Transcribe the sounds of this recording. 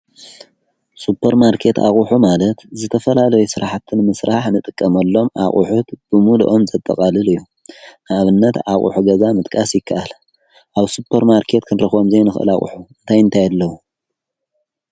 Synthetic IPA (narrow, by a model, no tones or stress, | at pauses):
supʰːɐɾmaɾkʰe̞t̪a̰χʼuħumalɐt̪zɨt̪ʰɐfɐlalɐjusɨɾaħt̪ʰɨnmɨsɾaħnɨt̪ʼɨkʼːɐmɐlːo̞mʔa̰χʼṵħut̪b̥ɨmulṵʔo̞mzɐt̪ʼːɐ̰kʼalɨlɨjːu | naβɨnːɐt̪aχʼṵħuɡɐzamɨt̪ʼkʼasjɪkʰːaʔal | ʔaβsupʰɐɾmaɾkʰe̞t̪kʰɨnɾɐxo̞mzejnɨxʔɨ̰la̰χʼṵħuɨnt̪ʰajɨnt̪ʰajalːɐwu